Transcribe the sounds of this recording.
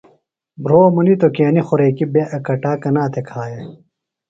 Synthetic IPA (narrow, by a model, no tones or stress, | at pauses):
bɾoːmunit̪okeːnixoɾeːkibeʔɐkɐʈaːkɐnaːt̪ʰekʰaːje